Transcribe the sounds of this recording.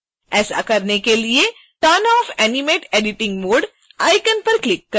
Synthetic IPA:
ɛːsa̰kɐɾnekelie | ʈɐnɔːfɛːnɪmeːʈɛːɖɪʈɪ̃ŋɡmoːɖ | aːɪkənpɐɾklɪkːɐ

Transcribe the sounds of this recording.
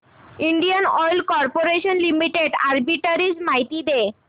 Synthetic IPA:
iɳɖijanɔjlkɔɾpoɾeʃonlimiʈeɖaɾbiʈaɾid͡ʑmajt̪id̪e

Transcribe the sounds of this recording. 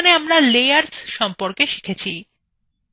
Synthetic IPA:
neamɾalejaɾsʃɔmpoɾkeʃi̥kʰet͡ɕʰi

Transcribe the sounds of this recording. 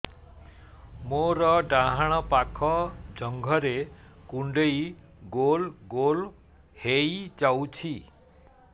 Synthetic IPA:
moɾɔɖãɦaɽ̃ɔpakʰɔd͡ʒɔŋɡʱɔɾekuɳɖej | ɡolɡol | hejd͡ʒawt͡ʃʰi

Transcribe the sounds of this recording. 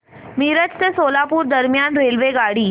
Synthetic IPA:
miːɾət͡ʃt̪esoːlaːpuːɾd̪əɾmjaːnɾeːlʋeɡaːɽiː

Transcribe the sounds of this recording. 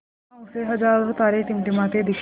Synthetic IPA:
ʊseɦɐd͡ʒaːɾt̪aːɾet̪imʈimat̪ed̪ik

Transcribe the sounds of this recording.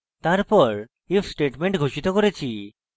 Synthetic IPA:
t̪aɾpɔɾ | ifsʈeʈmeɳʈɡʱoʃit̪okoɾet͡ɕʰi

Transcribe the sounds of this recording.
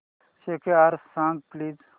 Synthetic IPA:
sekeaɾsãːŋɡpliːz

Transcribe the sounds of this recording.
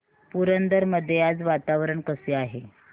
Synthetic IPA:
puɾənd̪əɾməd̪ʱːjejat͡sʋat̪aʋɾəɳkəseaɦe

